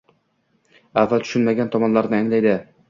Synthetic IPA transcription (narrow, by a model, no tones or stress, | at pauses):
avːalt̪ʰʊ̥ʃʊnmaɡʲant̪ʰɒmɒnlaɾnɪaŋlajd̪ɪ